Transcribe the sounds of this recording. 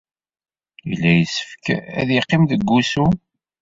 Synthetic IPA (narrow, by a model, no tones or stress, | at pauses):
ilːæjəsə̥fkæ̰ðjəqːimðəɡːusu